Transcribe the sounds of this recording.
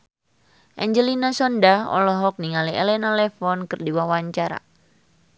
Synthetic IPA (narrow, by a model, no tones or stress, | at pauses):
ʔɛɲd͡ʒəlinasɔndaɔ̰lɔɦɔk̚niŋaliɛlɛnalɛfɔnkɨrdiwawaɲt͡ʃaɾa̰